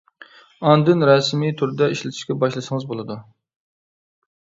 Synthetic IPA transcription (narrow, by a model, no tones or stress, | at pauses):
ɑnd̪ɪnɾɑsmit̪ʰuɾd̪ɛiʃlɪt̪ʰɪ̥ʃkʲɛbɑʃlˠɨʃɨŋɨzbolˠɨd̪u